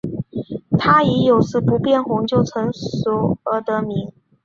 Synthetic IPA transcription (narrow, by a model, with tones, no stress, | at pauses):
t̪ʰa˥i˧˥jo˨˩ʊʂɹ̩˥˩pu˧˥pjɛ˥˩nxʊ˧˥ŋt͡ɕjo˥˩ʊt͡sʰɤ˧˥ŋʂu˨˥ə˧˥t̪ə˧˥mi˧˥ŋ